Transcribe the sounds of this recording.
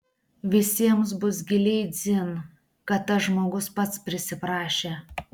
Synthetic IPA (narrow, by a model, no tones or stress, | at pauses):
ʋʲɪsʲiɛms̬bʊs̬ɡʲɪlʲɛɪd̪zʲɪn | kɐt̪ːɐʒmoːɡʊspɐt̪spʲɾʲɪsʲɪpɾɑːʃʲeː